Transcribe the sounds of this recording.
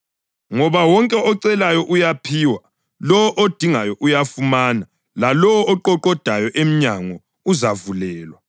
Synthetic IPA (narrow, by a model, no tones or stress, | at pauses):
ŋɔβawɔŋkʼɛɔǀɛlajɔʔujapʰiːwa | lɔwɔʔod̥ʱiŋajɔʔujafumaːna | lalɔwɔːǃɔǃɔd̥ʱajɔʔem̩ɲaŋɔ | uzavulɛːlwa